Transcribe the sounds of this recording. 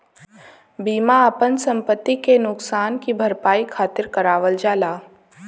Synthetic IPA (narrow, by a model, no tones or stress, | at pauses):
biːmaəpənsɐ̃mpət̪ːikenʊksaːnkibʱɐɾpaːikʰaːt̪ɪɾkəɾaːʋəld͡ʒaːlaː